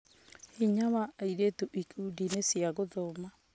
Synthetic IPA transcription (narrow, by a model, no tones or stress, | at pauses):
hiɲaβaaiɾetuʔikudinesjaɣoðoma